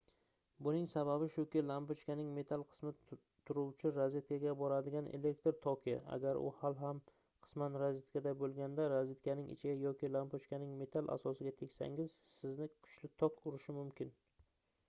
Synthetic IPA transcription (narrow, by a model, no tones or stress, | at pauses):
bʊnɪŋsaβabɪʃʊkʲɪlampot͡ʃkʲanɪŋme̞t̪ʰalˠqʰɨ̥smɪ | t̪ʰʊɾuwt͡ʃʰɪɾazet̪̚kʰʲaɡʲabɒɾad̪ɪɡʲanʔḛle̞k̚t̪ɾt̪ʰɒkʲʰija̰a̰ɡʲaɾʔʊ̰halɦam | qʰɨ̥smanɾazet̪kʰʲad̪abolˠɡʲand̪aɾazet̪kʰʲanɪŋʔɪ̰t͡ʃʰɪɡʲajɒkʲɪlampot͡ʃkʲanɪŋme̞t̪ʰalˠʔa̰sɒsɪɡʲat̪ʰe̞kʲsa̰ŋɪz̥sɪznɪkʰʊ̥t͡ʃlɪt̪ʰɒkʊɾɪʃɪmʊmkʲʰɪn